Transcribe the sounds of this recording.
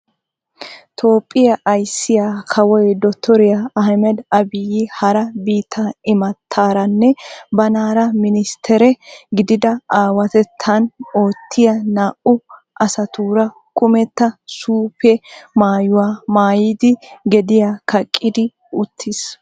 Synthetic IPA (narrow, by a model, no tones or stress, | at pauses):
t̪ʰo̞ːpʼːɪjɐʔːjsːɪjaːkʰɐwɔjd̪ɔt̪ʰːɔɾɪjaɐɦmɛd̪ɐbɪjɪhɐɾɐbiːt̪ʰːɐɪmɐt̪ʰːaːɾɐnːɛbɐnaːɾɐmɪnɪst̪ʰɛɾɛɡɪd̪ɪd̪ɐʔaːwɐt̪ɛt̪ʰːɐno̞ːt̪ʰːɪjɐnaːʔʊ | ʔɐsɐt̪uːɾɐ | kʊmɛt̪ːɐsuːpʰɛmaːjʊwaːmaːjɪd̪ɪɡɛd̪ɪjakʰɐkʼːɪd̪ɪ | ʊt̪ʰːɪs